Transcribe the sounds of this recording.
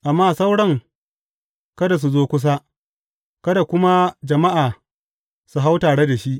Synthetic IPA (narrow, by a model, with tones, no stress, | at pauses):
ʔa˨mːaː˦˨sa˦wɽɐ˦ŋ | kɐ˦da˨s̬u˨zoː˦kʷʊ˦s̬a˦ | kɐ˦da˨kʷʊ˦ma˦d͡ʒɐ˨ma˦ʔaː˨ | su˨ɦa˦wtaː˨ɽe˦da˨ʃi˦ʔ